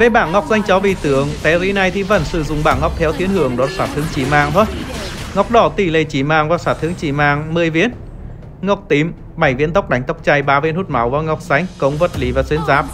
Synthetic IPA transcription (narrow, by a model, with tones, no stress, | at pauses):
ve˨˩ɓaː˧˩nŋɔ˨˩wk͡p̚za˧jŋ̟t͡ɕɔ˨˦vi˧˨˩t̪ɨ˨˦əŋt̪ɛ˨˧˦zi˨˦na˧jt̪ʰi˨˩və̰˧˩nsɨ˧˩zʊ̰˨˧˩ŋ͡mɓaː˧˩nŋɔ˨˩wk͡p̚t̪ʰɛ˨˦wt̪ʰi˨˦ənhɨ˧˩əŋɗɔ˨˦saː˧˩t̪ʰɨ˨˦əŋt͡ɕi˧˩maː˨˩ŋt̪ʰo˨˧˦jŋɔ˨˩wk͡p̚ɗɔ˧˩t̪i˧˩le˧˨˩t͡ɕi˧˩maː˨˩ŋvaː˨˩saː˧˩t̪ʰɨ˨˦əŋt͡ɕi˧˩maː˧˩ŋmɨ˧əjvḭ˧˥ən | ŋɔ˨˩wk͡p̚t̪i˨˦m | ɓa˧˩jvḭ˧˥ənt̪wk͡p̚ɗa˨˦jŋ̟t̪a˦˥wk͡p̚t͡ɕa˧jɓaː˨˦ve˧ənhu˦˥t̚ma˨˦wvaː˨˩ŋa˨˩wk͡p̚za˧˦jŋ̟kə˨˦wŋ͡mvə˨˩t̚li˨˦vaː˨˩swi˨˦nzaː˨˦p̚